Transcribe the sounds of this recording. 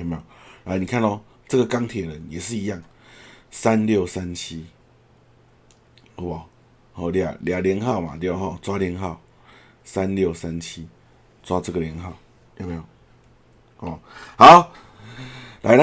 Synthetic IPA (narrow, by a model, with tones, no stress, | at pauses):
me˧a˨na˧˦nĩ˨˩kʰa˥˨nɔ˧ | t͡sə˥˧˨ɡə˨ka˦ŋt̪ʰjɛ˨˩ɾə˨˦nje˨˩ʂɻ̩˥˧i˧˦ja˥˨ŋ | sa˦nljo˥˨sa˦nt͡ɕʰi˦ | o˧˦ba˨˩ | hɔ˨˧˩lja̰˨˩lja˨˩ljə˧˦ŋɦa˥˨ʊma̰˨t̪e˧˦o˨˦ɦɔ˥˨˩t͡swa˦ljə˧˦ŋɦa˥˩˨ʊ | sa˦nljo˥˨ʊsa˦nt͡ɕʰi˦ | t͡swa˦t͡sə˦˥˧ɡə˨lji˧˦ŋɦa˥˨ʊ˨˦ | me˧˦˨ | ha˨˦ʊ | lʔa˨˧˦a˦